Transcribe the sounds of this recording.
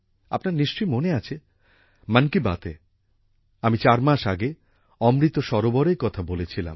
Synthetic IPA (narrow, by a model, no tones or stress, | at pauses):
a̰pnaɾniʃt͡ɕojmoneat͡ɕʰe | mankiba̰t̪ḛ | amit͡ɕaɾmaʃaɡe | ɔmɾit̪oʃɔɾobɔɾeɾkɔt̪ʰabolet͡ɕʰila̰m